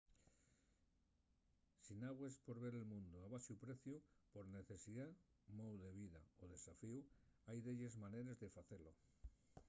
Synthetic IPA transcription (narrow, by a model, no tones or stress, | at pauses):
sinaɣwespo̞ɾβe̞ɾe̞lmũnd̪uaβasjupɾe̞θjupo̞ɾne̞θe̞siða | mowðe̞β̞iða̰oðe̞safiuajðe̞ʎezmane̞ɾe̞zðe̞faθe̞lo̞